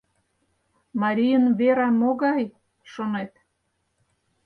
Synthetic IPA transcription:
mɑɾʲijənβeɾɑmːoɣɑj | ʃonet̪

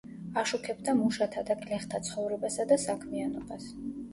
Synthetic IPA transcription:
aʃukʰɛbd̪amuʃat̪ʰad̪aɡlɛχt̪ʰat̪sʰχɔvɾɛbasad̪asakʰmianɔbas

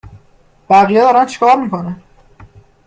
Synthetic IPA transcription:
b̥æɣijɛd̪ɒːɾænt͡ʃʰi̥kʰɒːɾmiːkʰo̞næn

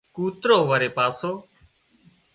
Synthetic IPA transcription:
kuːt̪ɾoːʋəɾeːpaːsoː

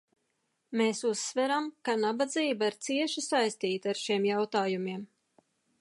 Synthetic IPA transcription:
meːsusːvɛɾamkanabad̪ziːbaiɾt̪siɛʃusajst̪iːt̪aɾʃiɛmjawt̪aːjumiɛm

